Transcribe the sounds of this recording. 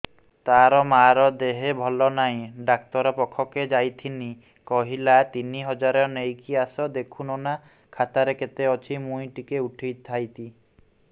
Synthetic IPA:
t̪aɾɔmaɾɔd̪eɦebʱɔlɔnaĩɖak̚t̪ɔɾɔpɔkʰːɔked͡ʒajt̪ʰini | kɔɦilat̪iniɦɔd͡ʒaɾɔnejkiasɔd̪ekʰunɔna | kʰat̪aɾeket̪eɔt͡ʃʰimujʈikeuʈʰijt̪ʰːajt̪i

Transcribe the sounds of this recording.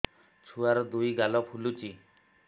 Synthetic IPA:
t͡ʃʰuaɾɔd̪ujɡalɔpʰulut͡ʃi

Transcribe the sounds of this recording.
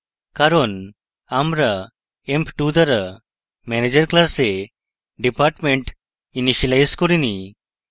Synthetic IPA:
kaɾon | amɾa | empʈud̪aɾa | mɛned͡ʑəɾklase | ɖipaɾʈmẽɳʈ | iniɕəlajskɔɾini

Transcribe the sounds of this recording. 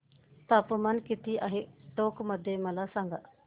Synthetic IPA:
t̪əpmənkɪt̪iːʔaɦeːʈoːkməd̪ːeːməlaːsaŋɡa

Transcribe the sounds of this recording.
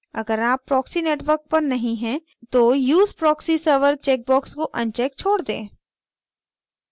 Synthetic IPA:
ɐɡəɾaːpːɾɔːksineːʈʋəɾk̚pɐɾnɐɦĩɦɛ̃ | t̪oːjuːzpɾɔːksisəɾʋəɾt͡ʃɛːk̚bɔːkskoʔɐ̃nt͡ʃɛːk̚t͡ʃʰoːɽd̪ḛ̃ː

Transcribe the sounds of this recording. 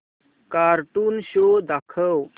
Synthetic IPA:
kaɾʈuːnɕod̪akʰəw

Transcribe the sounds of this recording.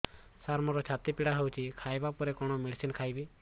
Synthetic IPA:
saɾmɔɾɔt͡ʃʰat̪ipiɽaɦewt͡ʃʰikʰajbapɔɾekɔɽ̃ɔmiɽsinkʰajbi

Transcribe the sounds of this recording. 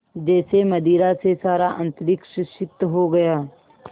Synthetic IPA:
d͡ʒɛːsemɐd̪iːɾasesaːɾaʔɐ̃nt̪ɾɪkʃəʃɪt̪ːɦoɡɐjaː

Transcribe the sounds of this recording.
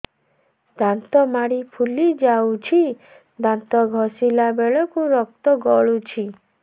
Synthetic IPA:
d̪ant̪ɔmaɽipʰulid͡ʒawt͡ʃʰi | d̪ant̪ɔɡʱɔsilabeɭɔkuɾɔk̚t̪ɔɡɔɭut͡ʃʰi

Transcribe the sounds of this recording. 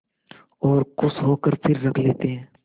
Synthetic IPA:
ɔːɾkʊsɦoːkəɾpʰɪɾːɐkʰleːt̪eɦɛ̃ː

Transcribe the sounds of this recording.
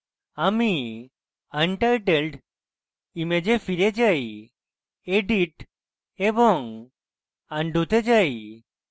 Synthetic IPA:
ami | əɳʈajʈelɖ | imed͡ʑefiɾed͡ʒaj | eɖiʈ | ebɔŋ | aɳɖut̪ed͡ʒaj

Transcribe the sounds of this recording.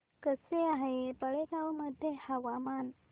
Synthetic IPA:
kəseaɦepəɭekawməd̪ʱjehaʋaman

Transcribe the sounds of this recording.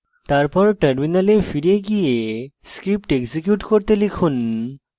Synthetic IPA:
t̪aɾpɔɾʈɐɾminalefiɾieɡijeskɾip̚ʈeɡzikjuʈkoɾt̪elikʰun

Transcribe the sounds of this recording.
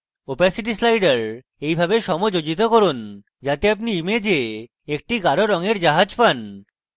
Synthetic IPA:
opasiʈ̬islajɖaɾ | ejbʱabeʃɔmod͡ʑod͡ʑit̪̬okoɾun | d͡ʑat̪eap̬̚niimed͡ʑe | ek̚ʈiɡaɾoɾɔŋeɾd͡ʑaɦad͡ʑpan

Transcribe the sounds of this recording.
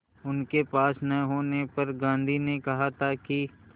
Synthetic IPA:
ʊnkepaːsnɐ̃ɦoːnepɐɾɡãːnd̪ʱinekɐɦat̪ʰaki

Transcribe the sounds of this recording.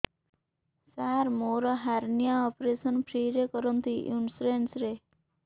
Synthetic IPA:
saɾmoɾaɦæɾnijaɔpɾesənpʰɾiɾekəɾənt̪iʔunsɾensɾe

